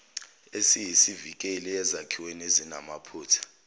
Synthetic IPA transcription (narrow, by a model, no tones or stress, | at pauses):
esijisivik̬ʼɛliɛzakʰiwenezina̰mapʰuːtʰḁ